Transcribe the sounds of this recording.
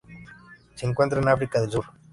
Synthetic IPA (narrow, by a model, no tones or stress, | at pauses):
siŋk̬went̪ɾanafɾikaðelsuɾ